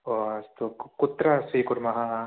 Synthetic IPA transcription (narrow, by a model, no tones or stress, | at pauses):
ost̪ukut̪ɾɐsʋiːkuɾmɐɦɐ